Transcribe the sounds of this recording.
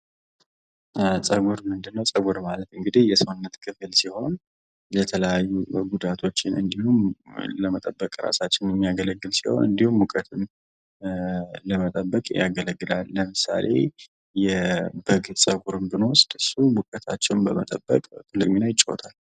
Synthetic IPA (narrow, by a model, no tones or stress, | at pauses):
sʼəɡuɾmɨnd̪ɨnːəwsʼəɡuɾmalət̪ɨŋɡɨd̪ihjɛsonːət̪kʰɨflsiho̞n | lət̪ʰələjajːuɡud̪at̪ʰo̞t͡ʃːɪnʔɨ̰nd̪ihumləmət̪ʼəbːəkʼɾa̰sat͡ʃːɪnjɛmːijaɡələɡːɨlsiho̞̰nɨ̰nd̪ihumwukʼət̪ʰɨm | ləmət̪ʼəbːəkʼja̰ɡələɡːɨlalːəmɨsa̰lʔe̞̰ | jɛbəɡsʼəɡuɾɨnbɨnosd̪ɨsuwukʼət̪ʰa̰t͡ʃːɛwnbəmət̪ʼəbːə̰kʼt̪ʰɨlːɨkʼminajɪt͡ʃʼːo̰t̪ʰal